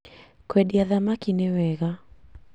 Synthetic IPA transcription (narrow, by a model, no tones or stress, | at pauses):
kwɛɗiaðamakinɛwɛɣa